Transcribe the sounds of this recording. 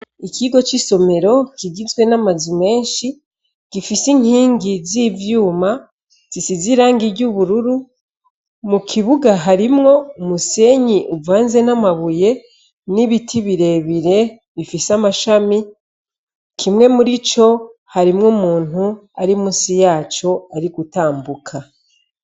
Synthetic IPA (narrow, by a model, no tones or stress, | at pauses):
ikʰiɡo̞t͡ʃiso̞me̞ɾo̞kiɡizɡwe̞namazume̞ːnʃi | ɡ̥ifisiŋ̥hiːŋɡizivjuːma | z̥isiziɾaːŋɡiɾɟuβuɾuɾu | mukʰiβuɡaɦaɾimŋo̞umuse̞ɲiʔuvaːnze̞namaβuje̞ | niβitʰiβiɾe̞βiɾe̞ | βifisamaʃami | kʰimŋe̞muɾit͡ʃo̞haɾimŋomuːn̥huaɾimuːsijaːt͡ʃo̞aɾiɡutaːmbukʰa